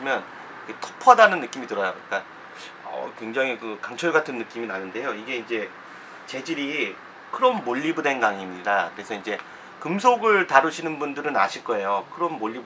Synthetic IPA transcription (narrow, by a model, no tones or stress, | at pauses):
imjʌn | iketʰʌ̥pʰʌdanɯnːɯk͈imitɯɾʌjaik͈a | ʌ̰kwe̞ŋd͡ʑaŋikɯkaŋt͡ɕʰʌɭɡatʰɯnːɯk͈iminanɯnde̞joiɡe̞ind͡ʑe̞ | t͡ɕe̞d͡ʑiɾi | kʰɯɾʌnmoʎːibude̞nɡaŋimɲidakɯɾe̞sʰʌind͡ʑe̞ | kɯms̬ʰoɡɯɭtaɾɯɕʰinɯnbundɯɾɯna̰ɕʰiɭk͈ʌe̞jokʰɯɾʌnmoʎːib